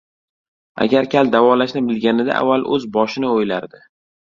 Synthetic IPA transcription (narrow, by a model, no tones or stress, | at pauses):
a̰ɡʲaɾkʲʰald̪avɒlaʃnɪbɪlɡʲanɪd̪a̰ʔa̰vːalˠɵzbɒʃɪnɪojlaɾd̪ɪ